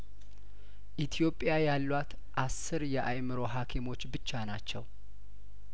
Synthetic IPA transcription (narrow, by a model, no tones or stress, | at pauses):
ʔit̪ʰjo̞pʼjajalːwat̪ | ʔasːɨɾjɛʔajmɨɾo̞ɦakʰimo̞t͡ʃːbɨt͡ʃːanat͡ʃːɛw